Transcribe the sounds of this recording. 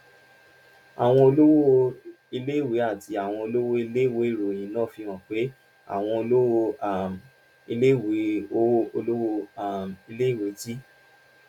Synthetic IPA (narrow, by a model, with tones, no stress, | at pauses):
a˨w̃ɔ̃˧o˧lo˦wo˦o˦˧ | i˧le˦˨wi˨˦a˦˨ti˧˦a˨w̃ɔ̃˧o˧lo˦wo˦i˧le˦˨wo˨˦i˦˨ɾo˨j̃ĩ˧˦lɔ̃ː˦˨fi˧wɔ̃˨k͡pe˨˦ | a̰˦˨w̃ɔ̃˧o˧lo˦wo˧a˨m | i˧le˦˨we˨˦o˦o˧lo˦wo˧a˨mi˧le˦i˦˨we˨˦ti˦